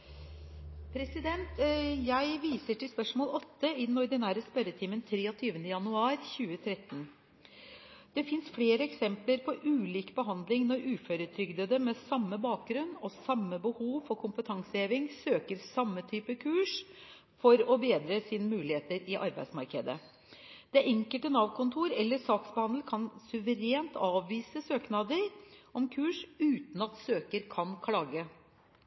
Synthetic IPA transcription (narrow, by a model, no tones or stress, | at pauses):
pʰɾɛsɪd̪ɛnt̪jæɪʋiːsəʈɪlspœʂmoːlɔt̪ːəɪd̪n̩ɔɾd̪ɪnæːɾəspœɾət̪ʰiːmənt̪ʰɾeːɔt̪ʰyːʋənd̪əjɑnʉɑːɾçʉːət̪ʰɾɛt̪ːn | d̪̥ɛfɪnsfleːɾəɛksɛmpləɾpʰɔɾʔʉːliːkbəɦɑnd̪lɪŋnɔɾʉːføɾət̪ʰɾʏɡd̪əd̪əmɛsɑmːəbɑːk̚ɡɾʉnːɔsɑmːəbəhuːʋfɔkʰʊmpət̪ʰɑŋsəeːʋɪŋsøːkəɾsɑmːət̪ʰyːpəkʰʉːʂ | fɔɾɔbeːd̪ɾəsiːnəmʉːlɪheːt̪əɾɪʔɑɾbæɪsmɑ̰ɾkəd̪ə̰ | d̪̥ɛʔɛŋkəlt̪ənɑʋkʰʊnt̪ʰuːɾɛlːəsɑːksbəhɑnd̪l̩kʰɑnsʉʋəɾeːnt̪ʰɑːʋʋiːsəsøːknɑd̪əɾʔɔmkʰʉːʂʉːt̪n̩ɑt̪søːkəɾkʰɑnkʰlɑːɡə